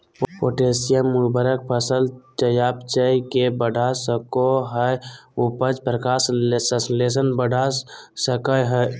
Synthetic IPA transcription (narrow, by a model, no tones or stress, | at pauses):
ppoːʈesijəmːubəɾək̚pʰəsəlt͡ʃəjaːpt͡ʃəikebəɖʱasəkoɦəʊpəd͡ʒpɾəkaːssəsles̬ənbəɖʱasəkəɦə